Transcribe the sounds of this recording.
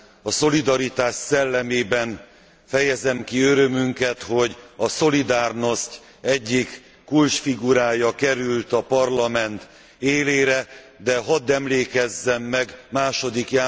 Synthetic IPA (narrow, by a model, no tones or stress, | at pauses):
ɒso̞lid̪ɒɾit̪aːʃsɛlːɛmeːbɛn | fɛjɛzɛmkiøɾømyŋkɛt̪ho̞ɟɒso̞lid̪aːrno̞sc | ɛɟːikː | ult͡ʃfiɡuɾaːjɒkɛɾylt̪ɒpɒrlɒmɛnt̪ | eːleːɾɛ | d̪ɛɦɒd̪ɛmleːkɛzːɛmːɛɡmaːʃo̞d̪ikjaː